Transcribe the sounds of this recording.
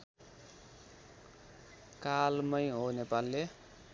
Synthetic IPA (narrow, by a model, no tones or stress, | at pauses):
kalmʌjɦonepalːe